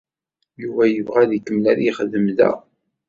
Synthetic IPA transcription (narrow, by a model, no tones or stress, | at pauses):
juvæjəvʁæðikːəmlæɾiχəðəmðæ̰